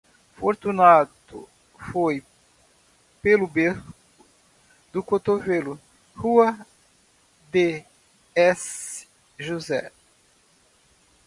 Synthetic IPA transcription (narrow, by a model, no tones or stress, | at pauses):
foɾt̪unat̪ʊ̰ | foj | pelʊbeɾk | ʊ | d̪ʊkot̪ovelʊ | huɐ | d̪e | ɛs | ʒuzɛ